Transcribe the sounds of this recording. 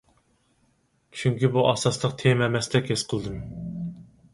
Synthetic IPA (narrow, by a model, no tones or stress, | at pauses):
t͡ʃʰyŋkʲibuʔɑsɑslˠəq̚t̪ʰemɛmɛsd̪ɛkʲʰesqʰəlˠd̪ɨm